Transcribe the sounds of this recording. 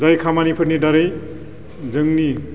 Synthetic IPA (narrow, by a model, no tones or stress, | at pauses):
zajkʰamanipʰɯɾnidaɾɯj | zɯŋni